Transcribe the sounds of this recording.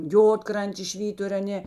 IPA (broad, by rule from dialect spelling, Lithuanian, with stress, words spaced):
ˈjoːtkrɐnʲtʲeːs ˈʃʲʋʲiːtʊrʲ ɐˈnʲeː